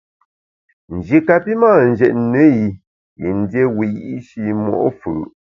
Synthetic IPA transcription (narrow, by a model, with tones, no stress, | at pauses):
n̩˨d͡ʒi˨ka˨pi˦maː˦˨n̩˨d͡ʒɛ˨ʔnə˦i˨ | ḭ˨n̩˦dje˦wi˨jḭ˦ʔi˦ʃi˦mɔ̰˦ʔfə̰˨